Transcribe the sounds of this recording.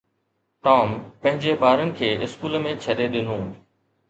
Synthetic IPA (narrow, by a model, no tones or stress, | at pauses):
ʈaːmpɐ̃ɦɪ̃ɲd͡ʑeɓaːɾənɪ̆kʰeːʔɪskuːlmẽt͡ɕʰəɗeɗɪnũː